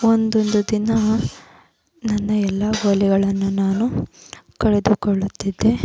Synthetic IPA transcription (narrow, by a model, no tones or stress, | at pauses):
ond̪ond̪ud̪inɐ | nɐnːɐɛlːɐɦoːlɛɡɐɭɐnːunaːnukɐɭed̪ukoɭːut̪ːid̪ːe